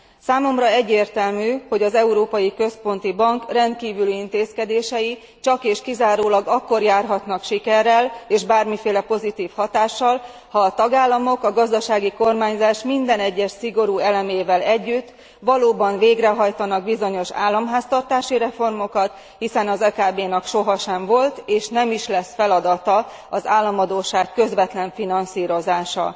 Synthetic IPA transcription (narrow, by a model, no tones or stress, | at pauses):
saːmo̞mrɒɛɟːeːrt̪ɛlmyːho̞ɟɒzɛuɾoːpɒjikø̞spo̞nt̪ibɒŋkrɛnt̪̚kiːvylyint̪eːskɛd̪eːʃɛji | t͡ʃɒkeːʃkizaːɾoːlɒɡɒkːo̞rjaːrɦɒt̪nɒkʃikɛrːɛleːʒbaːrmifeːlɛpo̞zit̪iːfhɒt̪aːʃːɒl | hɒːt̪ɒɡaːlːɒmo̞kɒɡɒzd̪ɒʃaːɡiko̞rmaːɲzaːʃmind̪ɛnɛɟːɛʃsiɡo̞ɾuːɛlɛmeːvɛlɛɟːyt̪ː | ʋɒloːbɒɱveːɡrɛɦɒjt̪ɒnɒɡ̚bizo̞ɲo̞ʃa̰ːlːɒmɦaːst̪ɒrt̪aːʃiɾɛfo̞rmo̞kɒt̪ | hisɛnɒzɛkaːbeːnɛkʃo̞ɦɒʃɛɱvo̞lt̪eːʃnɛmiʃlɛsfɛlɒd̪ɒt̪ɒ | ɒzaːlːɒmɒd̪oːʃaːkːø̞zʋɛt̪lɛɱfinɒnsiːɾo̞zaːʃɒ̰